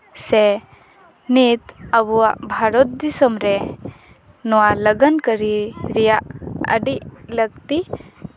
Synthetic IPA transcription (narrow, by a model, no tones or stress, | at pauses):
se | nit̪ɐbua̰bʱaɾot̪̚d̪isɐmɾe | nuwalɐɡɐnkəɾiɾijaɐ̰ɖilɐɡ̚t̪i